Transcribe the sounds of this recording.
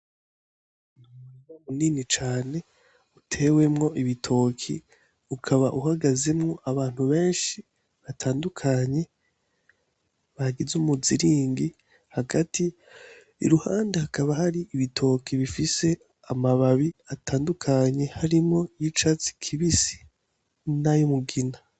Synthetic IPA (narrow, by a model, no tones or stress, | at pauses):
nunamuninit͡ʃaːne̞ | utʰe̞we̞mŋo̞ʔiβitʰo̞kʰi | ukʰaβaʔuhaɡaze̞mŋo̞ʔaβaːn̥huβe̞ːnʃi | βatʰaːndukʰaɲe̞ | βaɡizumuziɾiːŋɡi | haɡatḭː | ɾuhaːndehakaβahaɾiʔiβitʰo̞kiβifise̞ | amaβaβiatʰaːndukʰaɲe̞haɾimŋo̞jit͡ʃat͡si̥kʰiβisi̥ | najumuɡina